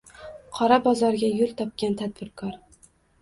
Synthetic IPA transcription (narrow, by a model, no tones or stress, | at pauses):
qʰɒɾabɒzɒɾɡʲajʊlˠt̪ʰɒp̚kʲant̪ʰad̪̚bɪɾkʰɒɾ